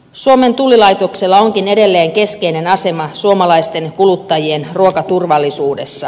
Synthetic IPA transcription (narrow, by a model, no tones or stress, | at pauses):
suome̞nt̪ulilɑjt̪o̞kse̞lːɑo̞ŋkine̞de̞lːe̞ːŋke̞skeine̞nɑse̞mɑsuomɑlɑist̪e̞nkulut̪ːɑjie̞nruokɑt̪urʋɑlːisuːde̞sːɑ